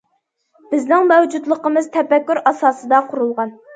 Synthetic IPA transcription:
b̥ɪznɪŋmɛwd͡ʒud̪lˠəqəmɨz̥t̪ʰɛpɛkʲːyɾɑsɑːsɨd̪ɑqʰʊɾulˠʁɑn

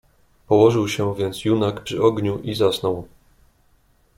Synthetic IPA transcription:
pɔwɔʐɘwɕɛvʲjɛnt̪sjunakpʂɘɔɡɲuʔizasnɔw

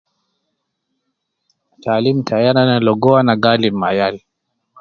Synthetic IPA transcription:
taːlim̩tʰajananalɔɡɔanaɡalimajal

